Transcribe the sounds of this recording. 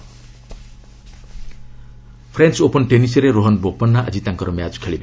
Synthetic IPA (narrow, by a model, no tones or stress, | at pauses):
pʰɾent͡ʃopənʈeniseɾeɾoɦʌnbopənːaʔəd͡ʒit̪aŋkʌɾomjad͡ʒkʰeɭib